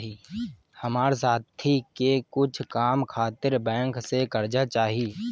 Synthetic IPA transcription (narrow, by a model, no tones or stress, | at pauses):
ɦi | həmaːɾsaːt̪ʰikekʊt͡ʃʰkaːmkʰaːt̪ɪɾbɛ̃ːŋksekəɾd͡ʒat͡ʃaːɦie